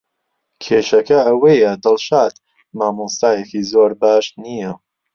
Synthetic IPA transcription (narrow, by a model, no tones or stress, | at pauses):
kʰeːʃɐkɐɐwejɐd̪ɨlˠʃaːt̪ | maːmust̪aːjekizoːɾbaːʃnijɐ